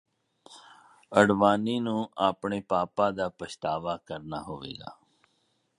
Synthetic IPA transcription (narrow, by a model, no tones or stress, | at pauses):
əɽʋaːniːnũːaːpɳeːpaːpãːd̪aːpəʃt̪aːʋaːkəɾna̰ːɦoːʋḛːɡa̰ː